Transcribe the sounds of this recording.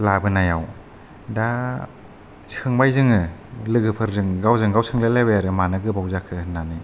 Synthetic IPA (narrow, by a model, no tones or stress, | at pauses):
labɯnajaw | da | sʰɯŋbajzɯŋɯlɯɡɯpʰɯɾzɯŋɡawzɯŋɡawsʰɯŋlelabejaɾɯmanaɡɯbawzakʰɯnanɯ